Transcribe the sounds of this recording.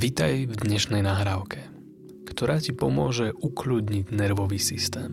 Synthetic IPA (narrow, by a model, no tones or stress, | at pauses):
ʋit̪ajvd̪ɲɛʃnɛjnaːɦɾaːʊkʰɛ | kt̪ɔɾaːcipɔmʊɔʒɛʔuklud̪ɲiɟnɛɾʋɔʋiːsist̪ɛːm